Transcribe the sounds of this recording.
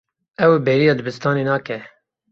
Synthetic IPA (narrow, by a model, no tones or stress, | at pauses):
ɛwbɛːɾijɑːd̪ɨbɨst̪ɑːneːnɑːkɛ